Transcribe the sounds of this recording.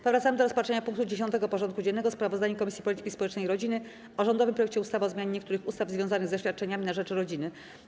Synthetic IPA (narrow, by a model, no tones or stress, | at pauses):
pɔvɾat̪samɘd̪ɔɾɔspatʂɛɲapuŋk̚t̪ud͡ʑeɕ̬ɔnt̪ɛɡɔpɔʐɔnt̪kud͡ʑɛnːɛɡɔspɾavɔzd̪aɲɛkɔmʲisʲipɔlʲit̪ɘ̥kʲispɔwɛt͡ʂnɛjɾɔd͡ʑinɘ | ɔʐɔnd̪ɔvɘmpɾɔjɛk̚t͡ɕɛust̪avaɔzmʲaɲeɲɛkt̪uɾɘxust̪avzvʲjɔ̃w̃zanɘɣzɛɕfʲjat̪̚t͡ʂɛɲamʲinaʐɛt͡ʂɾɔd͡ʑinɘ